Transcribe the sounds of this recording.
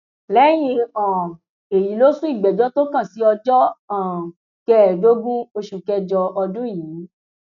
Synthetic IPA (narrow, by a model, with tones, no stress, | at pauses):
lɛ˦j̃ĩ˧ɔ̃˨ | e˨ji˨˦lo˦sũ˦i˦˨ɡ͡bɛ˨d͡ʒɔ˨˦to˦kã˦˨si˨˦ɔ˧d͡ʒɔ˦ã˨ | kɛ˦˨do˦ɡũ˦o˧ʃu˨kɛ˧d͡ʒɔ˧ɔ˧dũ˦i˦˨jiː˨˦